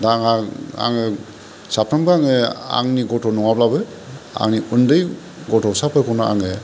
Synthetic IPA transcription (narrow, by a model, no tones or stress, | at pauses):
daŋaa̰ŋɯ | sapʰambɯaŋɯa̰ŋniɡɔtʰɔnɔŋablabɯ | a̰ŋniundɯj | ɡɔtʰɔsapʰɯkʰɔnaa̰ŋɯ